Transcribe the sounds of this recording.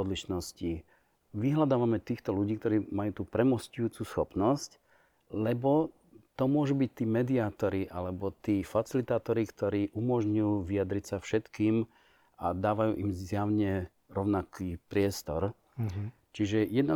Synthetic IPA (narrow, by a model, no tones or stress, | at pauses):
ɔd̪liʃnɔsci | ʋiɦlad̪aːʋamɛt̪iːxt̪ɔluɟiːk̚t̪ɔɾiːmajuːt̪uːpɾɛmɔscujuːt͡susxɔpnɔsc | lɛbɔ | t̪ɔmʊɔʒubic̚t̪iːmɛd̪iaːt̪ɔɾiʔalɛbɔt̪iːfat͡silit̪aːt̪ɔɾikt̪ɔɾiːʔumɔʒɲjuːʋiad̪ɾicsafʃɛt̪kiːm | ad̪aːʋajṵːʔimzjaʊɲɛ | ɾɔʊnakiːpɾɪɛst̪ɔɾ | t͡ʃiʒɛjɛd̪na